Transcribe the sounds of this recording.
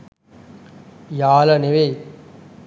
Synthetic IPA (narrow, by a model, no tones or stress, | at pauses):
jaːləneʋe